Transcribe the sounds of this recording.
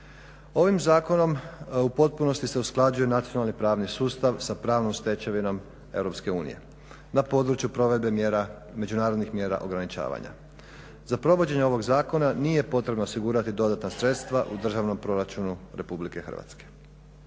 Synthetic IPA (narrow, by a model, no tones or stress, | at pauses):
o̞ʋimzaːko̞no̞mupo̞t̪̚puno̞st̪ise̞usklˠad͡ʑuje̞nat̪sijo̞nalnipɾaːʋnisuːst̪aʋsapɾaːʋnomst̪e̞t͡ɕeʋino̞m | eʋɾo̞pske̞uːnḭje̞̰ | napo̞ːd̪ɾut͡ʃjupɾo̞ʋe̞d̪̚be̞meɾa | me̞d͡ʒunaːɾod̪nixmje̞ːɾa̰ʔo̞ɡɾanit͡ʃa̰ːʋa̰ɲa̰ | zapɾo̞ʋo̞d͡ʑe̞ɲeo̞ʋo̞ɡzaːko̞nanije̞po̞t̪ɾe̞bnosiɡuːɾat̪id̪o̞d̪at̪nasɾe̞t̪st̪ʋaʔud̪r̩ʒaʋno̞mpɾo̞ɾat͡ʃunuɾe̞publike̞xər̩̰ʋa̰t̪ske̥